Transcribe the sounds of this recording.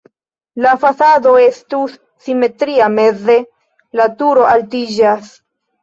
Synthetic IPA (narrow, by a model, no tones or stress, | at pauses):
lafasado̞e̞stus | sime̞tɾiame̞ze̞ | latuɾo̞ʔaltid͡ʒas